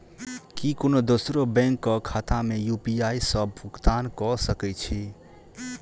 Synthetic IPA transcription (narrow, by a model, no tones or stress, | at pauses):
kikonod̪osɾobɛ̃ŋkːəkʰat̪amejupiaisəb̚ʱbʱukt̪ankɔsəkɛt͡ʃʰi